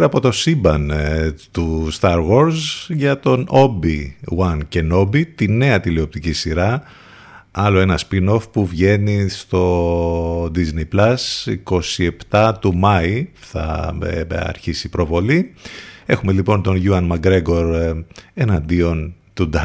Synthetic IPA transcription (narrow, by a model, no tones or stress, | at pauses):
ɾɐpo̞t̪o̞sibɐnt̪ust̪ɐɾɣo̞ɾzʝɐt̪o̞no̞biwɐnce̞no̞bit̪ine̞ɐt̪ilio̞p̚t̪icisiɾɐ | ɐlo̞e̞nɐspino̞fpuvʝe̞nist̪o̞ | d̪iznejplɐsḭko̞sie̞pt̪ɐt̪umɐi | θɐ̰ | ɐ̰ɾçisipɾovo̞lie̞xume̞lipo̞nt̪o̞nʝuɐnmɐɡɾe̞ɡo̞ɾe̞nɐnd̪io̞nt̪ud̪ɐ